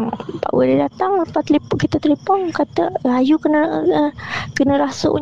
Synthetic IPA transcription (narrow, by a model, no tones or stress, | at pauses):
ŋpa̰ʔwə̰didat̪aŋpat̪lipʊʔ̚kit̪ət̪lipɔŋkat̪əajukənə | kənə̃ɾasʊ̰ʔ